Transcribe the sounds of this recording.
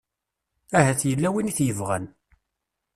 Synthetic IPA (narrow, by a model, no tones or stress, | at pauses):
æhæθjəlːæwiniθjəvʁæ̰n